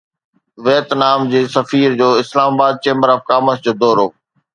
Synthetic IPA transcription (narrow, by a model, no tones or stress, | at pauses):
ʋeːt̪naːmd͡ʑeːsɐfiːɾd͡ʑoːɪslaːmabaːd̪̚t͡ɕẽːmbəɾəfkaːməsd͡ʑoːd̪ɔːɾo̰ː